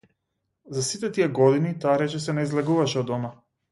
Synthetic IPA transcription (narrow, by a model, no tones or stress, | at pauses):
zasit̪ɛt̪ijɛɡɔd̪init̪aːɾɛt͡ʃɛsɛnaizlɛɡuvaʃɛɔd̪ɔma